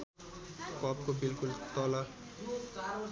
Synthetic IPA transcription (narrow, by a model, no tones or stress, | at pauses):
kʌp̚kobilkult̪ɔla